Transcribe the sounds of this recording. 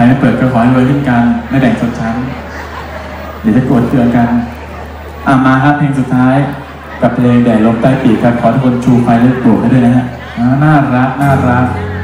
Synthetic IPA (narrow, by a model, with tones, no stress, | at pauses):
kʰa˧ja˧˥˩pɤː˨˩t̪̚kʰɔ˧kʰɔː˨˩˦a˥˩jlo˧jɦʰɯ˥˩nka˧nːa˧˥˩jbɛː˨˩ŋt͡ɕʰo˧nt͡ɕʰa˦˥n | da˧˩t̪ʰa˥˩pu˨˩t̪̚t̪ɯ˧ə˧nka˧n | ʔaː˧˩maː˧ɦaː˧˥˩pʰleː˧ŋsu˨˩t̪ʰːaː˦˥j | ka˨˩pʰleː˧ŋdɛː˨˩lo˧mt̪aː˥˩jpiː˨˩kʰa˦˥˩p̚kʰɔː˩˦a˧˩kʰo˧nt͡ɕʰuː˧kʰa˧jda˥˩˥p̪u˨˩k̚a˥˩du˥˩˨jna˦˥na˦˧˩ | ʔaː˦naː˥˩ɾa˦˥ʔ̚naː˥˩ɾa˦˥k̚